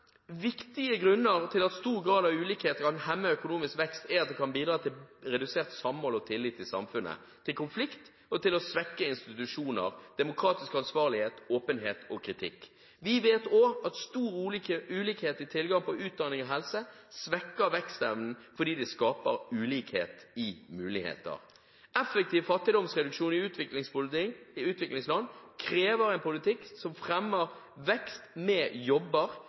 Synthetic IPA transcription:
ʋɪkt̪ɪəɡɾʉnːəʁt̪ʰɪlɑt̪st̪uːʁɡɾɑːd̪ɑʋʉːliːkheːt̪əkɑnhɛmːəœkʊnuːmɪskʋɛkst̪ɛɾɑt̪̚d̪ɛkʰɑnbiːd̪ɾɑːt̪ʰɪlɾɛd̪ʉseːʁt̪sɑmmoːlɔt̪ʰɪlːɪt̪ːɪlsɑ̰mfʉnʔə̰ | t̪ʰɪlkʰʊnflɪkt̪ | ɔt̪ʰɪlɔsʋɛkːəɪnst̪ɪt̪ʉʂuːnə̰ʁd̪̥ɛmʊkʰɾɑːt̪ɪskɑnsʋɑːʁlɪheːt̪oːpənɦeːt̪ɔkʰɾɪt̪ʰɪ̰kː | ʋɪʋeːt̪oːɑt̪st̪uːʁɾʉːliəʔʉːliːkheːt̪ɪt̪ʰɪlɡɑŋpɔʉːt̪̚d̪ɑnɪŋɔɦɛlsəsʋɛkːəɾʋɛkst̪ɛʋnn̩fɔd̪iːd̪ɛskɑːpə̰ɾʉːliːkhḛːt̪ɪmʉːlɪhḛːt̪ə̰ʁ | ɛfɛk̚t̪iːʋfɑt̪ːɪd̪ɔmsʁɛd̪ʉkʂuːnɪʉt̪ʋɪklɪŋspʊɪʉːt̪ʋɪklɪŋslɑnkʰɾeːʋəɾɛɪnpʊlɪt̪ʰɪkːsɔmfʁɛmːəʁ | ʋɛkst̪mɛjɔbːəʁ

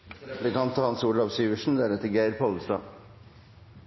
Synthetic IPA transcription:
b̪ɛkɑnt̪ɑhɑnsuːlɑʋsyːʋəʂɳ̩d̪æɾɛt̪ːɪɡæɪɾpʰɔɑlst̪ɑ̰ː

